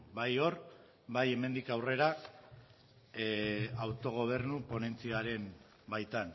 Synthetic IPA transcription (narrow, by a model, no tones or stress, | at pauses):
bajo̞ɾ | baje̞me̞nd̪ikawre̞ɾa | awt̪o̞ɣ̞o̞β̞e̞ɾnupo̞ne̞nt͡siaɾe̞m | bajt̪an